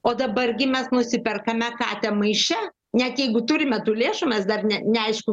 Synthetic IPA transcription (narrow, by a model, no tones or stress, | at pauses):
oːd̪ɐbɐrɡʲɪmʲɛsnʊsʲɪpʲɛrkɐmʲɛkɑːt̪ʲɛmɐɪʃʲɛ | nʲɛt̪jɛɪɡʊt̪ʊɾʲɪmʲɛt̪uːlʲeːʃumʲɛsd̪ɐrnʲɛnʲɛɐɪʃkʊ